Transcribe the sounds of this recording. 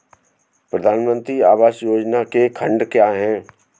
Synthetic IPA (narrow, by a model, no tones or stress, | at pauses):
pɾəd̪ʱaːnmə̃nt̪ɾiaːʋaːʃjoːd͡ʒnakekʰə̃ɳɖkjaːɦɛ̃ː